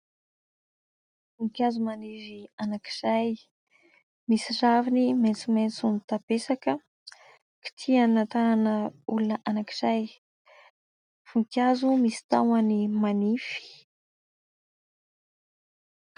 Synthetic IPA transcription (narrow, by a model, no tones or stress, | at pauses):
fuŋkʲjazumanivianakiz̥aj | misiraviniment͡sument͡sunit̪apesakə | ki̥t̪ʰiannant̪ananəulunəʔanakiz̥aj | fuŋkjazumisi̥t̪awanimanifi̥